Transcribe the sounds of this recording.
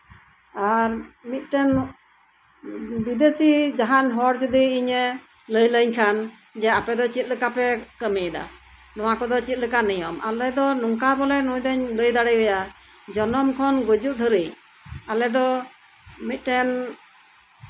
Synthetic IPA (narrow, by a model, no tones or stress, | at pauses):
aɾmit̪̚ˀʈɛn | bid̪esid͡ʒaɦanɦɔɽd͡ʒud̪iiɲə | ləjləɲkʰan | d͡ʒɛapɛd̪ɔt͡ʃit̪̚ləkapɛkəmid̪a̰ | nɔwakɔd̪ɔt͡ʃit̪̚ləkanəjɔmʔa̰lɛd̪ɔnuŋkabɔlɛnũjd̪əɲləjd̪aɽəjbɛja | d͡ʒɔnɔmkʰɔnɡud͡ʒuʔ̚d̪ʱəɾij | alɛd̪ɔ | mit̪̚ˀʈɛn